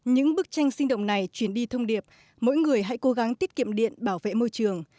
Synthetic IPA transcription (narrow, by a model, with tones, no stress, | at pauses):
ɲɨ̰˧˥ŋɓɨ˦˥k̚t͡ɕa˧jŋ̟si˧ŋ̟ɗo̰˧˨wŋ͡mna˨˩jt͡ɕwi˧˩ənɗi˧t̪ʰə˧wŋ͡mɗi˨˩əp̚ | mo̰˧˥jŋɨ˨˩əjɦa̰˧˥jko˨˦ɣa˨˦ŋt̪i˦˥ət̚kḭ˧˨mɗḭ˧˨ənɓaː˧˩wvḛ˧˨mo˧jt͡ɕɨ˨˩əŋ